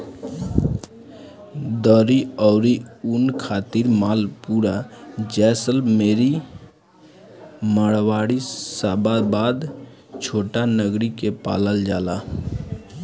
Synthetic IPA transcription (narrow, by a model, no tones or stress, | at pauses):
d̪əɾiɔʊɾiunkʰat̪iɾmalpuɾad͡ʒɛsəlmeɾi | məɽʋaɽisababad̪ | t͡ʃʰoʈanəɡɾikepa̰ləld͡ʒala